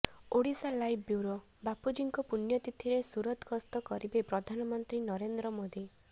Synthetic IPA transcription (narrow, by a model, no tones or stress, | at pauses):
oɽisalajbʰbjuɾo | bapud͡ʒiŋkɔpunjɔt̪it̪ʰiɾesuɾɔt̪kɔst̪ɔkɔɾibepɾɔd̪ʱanɔmɔnt̪ɾinɔɾend̪ɾɔmod̪i